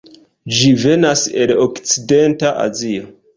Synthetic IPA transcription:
d͡ʒive̞nase̞lokt͡side̞ntaʔa̰zio

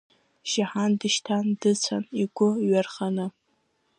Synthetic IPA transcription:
ʒaħandɨʃtʰandɨt͡sʷʰa̰niɡʷʊɥarχanɨ

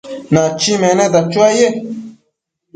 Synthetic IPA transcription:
nãt͡ʃimɛ̃nɛ̃d̪at͡ʃuaje

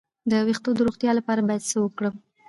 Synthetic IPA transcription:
d̪əwext̪od̪əɾoxt̪jɑlapɑɾabɑjad̪səwəkɽəm

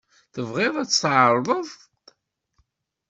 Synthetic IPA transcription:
θəvʁeðˤæt͡sːsʕəɾˤðˤəðˤ

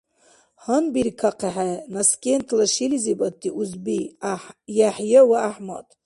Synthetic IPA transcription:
hanbiɾkʰaqʰaħanaskʲʼentʰlaʂilizibatʰʼːiʔuzbi | jaħjawaaħma̰tʼ

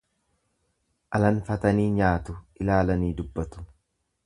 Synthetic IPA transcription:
ʔɐlɐnfɐt̪ɐniːɲaːt̪ʊʔɪlaːlɐniːd̪ʊbːɐt̪ʊ̥

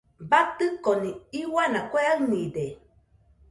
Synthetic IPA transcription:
bat̪ɨkonĩiwanãkʷeanĩde

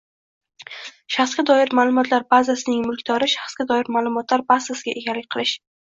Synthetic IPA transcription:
ʃɑχsɡʲad̪ɒɪɾmaːlˠʊmɒt̪ʰlaɾbazasɪnɪŋmʊlˠkʲd̪ɒɾɪʃɑχsɡʲad̪ɒjɪɾmalˠʊmɒt̪laɾbasasɪɡʲaʔe̞ɡʲalːɪk̚ʲqʰɨlˠɪʃ

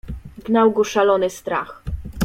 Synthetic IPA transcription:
ɡnawɡɔʂalɔnɘst̪ɾax

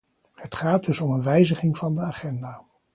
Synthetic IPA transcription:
hətχaːd̚dɵsɔmənʋɛjzəχɪŋvɑndəaːχɛndaː

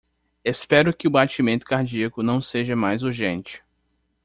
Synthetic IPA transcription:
espɛɾʊkɪʊbat͡ʃimẽnt̪ʊ̥kaɾd͡ʒiɐkʊnɐ̃w̃seʒɐmajzuɾʒẽnt͡ʃɪ̥

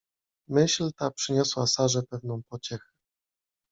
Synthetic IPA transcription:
mɘɕlt̪apʂɘɲɔswasaʐɛpɛvnɔ̃w̃pɔt͡ɕɛxɛ

